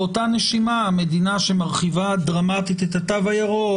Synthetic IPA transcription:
otaneʃimame̞dinaʃemaʁχivadʁamat̪it̪et̪hat̪avajaʁo

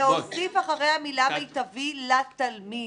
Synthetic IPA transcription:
eosifaχaʁejhamilameit̪avilat̪almi

